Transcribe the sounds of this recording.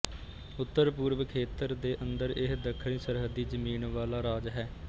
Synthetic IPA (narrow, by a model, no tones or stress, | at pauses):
ʊt̪ːəɾpuːɾʋəkʰeːt̪əɾd̪eːʔənd̪əɾɪsd̪əkʰːɾiːsəɾɦəd̪iːzəmiːnʋaːlaːɾaːd͡ʒɦɛː